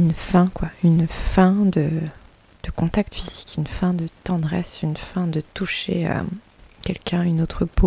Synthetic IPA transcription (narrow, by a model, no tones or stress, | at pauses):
ynfɛ̃kwaynfɛ̃d̪ə | d̪̥əkɔ̃t̪ak̚t̪fizikynfɛ̃d̪ət̪ɑ̃d̪ʁɛsynfɛ̃d̪ət̪uʃḛø̰ | kʲɛlkʲɛ̃ynot̪χəpo